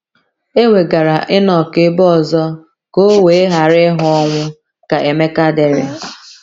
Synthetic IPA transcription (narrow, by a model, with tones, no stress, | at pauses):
e˦we˨ɡa˨ɾa˨ʔɪ˦nɔ˨kɪ˦bɔ˦˨zɔ˦ | ko˦we˨e˦ɦa˨ɾɪ˦ɦʊ˦ɔ˦ŋʷʊ˦ | ka˨ʔe˨me˦ka˦de˨ɾɪ˨